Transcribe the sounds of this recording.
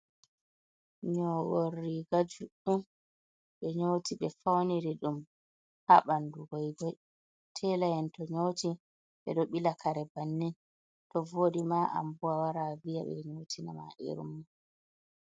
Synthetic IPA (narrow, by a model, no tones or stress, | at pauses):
ɲɔworːiɡad͡ʒuɗum | ɓɛɲoːtiɓɛfawniɾiɗum | haɓanduɡɔjɡɔj | tʰɛlajɛntɔɲoːti | ɓɛ̰ɗɔɓilakʰaɾɛbanːɛn | tɔvoːdimaʔa̰mbuwawaɾavijaɓɛ̰ɲotʰinama̰ʔḭɾṵmːa